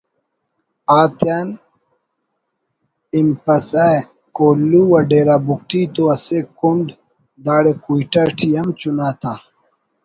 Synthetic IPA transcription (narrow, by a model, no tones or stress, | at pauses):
aːt̪jan | impɐsa | koːlːuwɐɖeːɾaːbuk̚ʈʰit̪oɐsekuɳɖ | d̪aːɽekuiʈaʈʰijɐmt͡ɕunaːt̪ʰaː